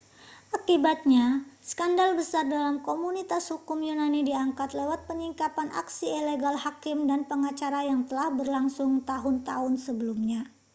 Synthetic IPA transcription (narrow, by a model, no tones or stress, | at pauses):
ʔakibat̪̚ɲasə̥kandalbəsardalamkomunit̪ashukʊmjunanidiaŋkat̪lewat̪̚pəɲiŋkapana̰ksiileɡalhakɪmdanpəŋat͡ʃaɾajaŋt̪əlahbərlaŋsʊŋt̪aɦʊnt̪aɦʊnsəbəlumɲa